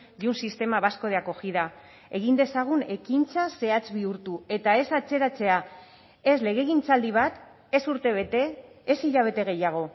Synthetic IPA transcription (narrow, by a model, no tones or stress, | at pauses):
ʝunsist̪e̞maβasko̞ð̞eako̞xiða | e̞ɣ̞ind̪e̞saɣ̞une̞kint͡sase̞at͡sβiuɾt̪ue̞t̪ae̞sat͡se̞ɾat͡se̞a | e̞sle̞ɣ̞e̞ɣint͡sald̪iβ̞at̪ | e̞suɾt̪e̞βe̞t̪e̞ːsiʎaβ̞e̞t̪e̞ɣ̞e̞jaɣ̞o̞